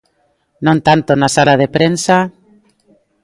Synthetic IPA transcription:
nõnt̪ant̪onasalaðepɾensa

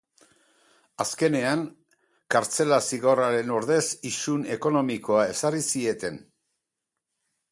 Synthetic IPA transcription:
aske̞ne̞aŋ | kaɾt͡se̞lasiɣo̞raɾe̞no̞ɾðe̞sisune̞ko̞no̞miko̞ae̞sarisie̞t̪e̞n

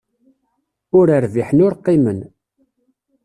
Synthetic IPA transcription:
ʊɾəɾviħənʊɾqːimən

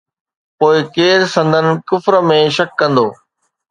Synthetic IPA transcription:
poːɪkeːɾsɐ̃nd̪ʱənɪ̆kʊfɾəmẽʃɐkːɐ̃nd̪oː

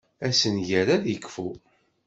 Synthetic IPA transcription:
æsənʝæɾaðjəkːfu

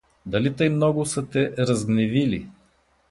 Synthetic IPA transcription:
d̪ɐlit̪əjmnɔɡʊsət̪ɛɾɐzɡnɛvilḭ

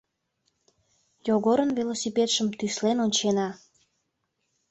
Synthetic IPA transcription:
joɣoɾənvelosipet̪ʃəmt̪yslenonʲt͡ɕenɑ

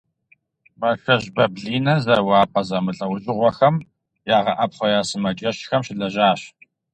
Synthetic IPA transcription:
mɐxɐʑbɐbɮiːnɐzɐrwɑːpʼɐzɐmɨɬʼɐwʊʑʼɪʁʷɔxɐm | jaːʁɐ̰ʔɐpχʷɔjaːsɨmɐt͡ʃʼɐɕxɐmɕɪɮɐʒaːɕ

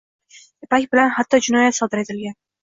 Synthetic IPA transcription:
ɪpakʲbɪlanhat̪ʰːɒd͡ʒɪnɒjat̪sɒd̪ɪɾe̞t̪ʰɪlɡʲan

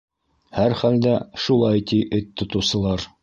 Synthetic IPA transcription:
hæɾχæld̪æʃulˠɑjt̪iʔɘt̪ːŏt̪ŏwsɤ̆lˠɑɾ

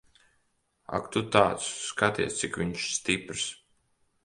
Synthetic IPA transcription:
a̰kt̪ut̪aːt̪skat̪ḭɛst̪sikvʲiɲʃst̪ipɾs

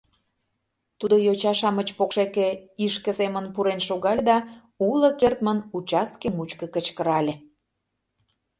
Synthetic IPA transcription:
t̪ud̪ojot͡ɕɑʃɑmət͡ɕpokʃekĕiʃkə̆semənpuɾenʃoɣɑlʲd̪ɑ | ulə̆kert̪mənut͡ɕɑst̪̚kemut͡ɕkə̆kət͡ɕkəɾɑlʲe

